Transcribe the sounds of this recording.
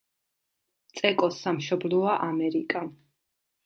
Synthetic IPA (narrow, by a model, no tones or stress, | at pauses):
t̪sʼɛkʼɔsːamʃɔblɔaʔamɛɾikʼa